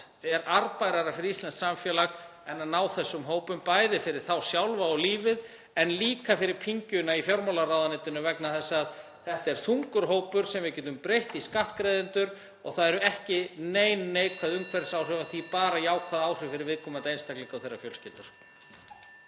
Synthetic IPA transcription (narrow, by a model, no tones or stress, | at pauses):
ɛɾaɾpajɾaɾaɾfɪɾɪɾist̪lansamfjɛːlaɣ | ɛnːanaːwθɛsːʏmɦoːwpʏmpajðɪfɪɾɪɾ̥θawsjawlvaɔliːvɪð | ɛnliːkafɪɾɪɾ̥pʰiɲcʏnaifjɔɾmawlarawðanɪːt̪ʏnʏvɛknaθɛsːað | θɛht̪ɛɾ̥θuŋkʏɾ̥ɦoːwpʏɾ̥sɛmvɪðcɛːt̪ʏmpɾejht̪iskaht̪kɾejðɪnt̪ʏɾ | ɔɣθaðɛɾʏɛhcɪneːjnːeːjkʰvaðʏmkʰvɛɾt̪sawr̥ʏvaθipaːɾajaːwkʰvaːðaːwr̥ɪfɪɾɪɾvɪðkʰɔːmant̪ejnst̪aklɪŋkawθejrːa̰fjœlscɪːlt̪ʏɾ̥